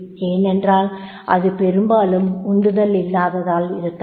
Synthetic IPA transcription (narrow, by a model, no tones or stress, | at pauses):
eːnɛndraːl | ʔɐ̰ðɯpɛɾɯmbaːlɯmʊnd̪ɯðɐlɪlːaːʋɐðaːlɪɾɯt̪ː